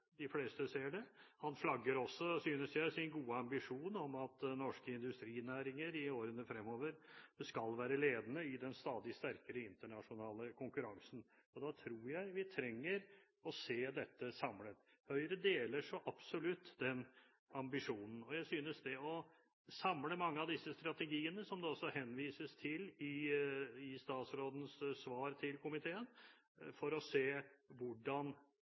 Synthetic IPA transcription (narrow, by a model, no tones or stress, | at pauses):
d̪ɪfleːst̪əseːɖɛhɑnflɑɡːəɾɔsːɔsyːnəsjæɪsɪnɡuːəɑmbɪʂuːnɔmɑt̪nɔʂkəɪnd̪ʉst̪ɾiːnæːɾɪŋəɾɪoːɾənəfɾɛmːoːʋəɾskɑlʋæːɾəleːd̪ənəɪd̪ɛnst̪ɑːd̪ɪst̪æɾkəɾəɪnt̪əɳɑʂʊnɑːləkʰʊŋkʉɾɑŋsn̩ɔd̪ɑt̪ʰɾuːɾjæɪʋɪt̪ʰɾɛŋːəɾ | ɔseːd̪ɛt̪ʰːəsɑmlət̪ | hœʏəɾəd̪eːləʂɔʔɑb̥sɔlʉt̪ːd̪ɛn | ɑmbɪʂuːnn̩ɔjæɪsyːnəsd̪ɛɔ | sɑmləmɑŋːəɑʋd̪ɪsːəst̪ɾɑt̪ɛɡiːənəsɔmd̪ɛɔsːɔhɛnʋiːsəst̪ʰɪlɪ | ɪst̪ɑːt̪sɾoːd̪n̩ssʋɑːɾt̪ʰɪlkʰʊmɪt̪ʰeːən | fɔɾɔseːʋʊɖɑn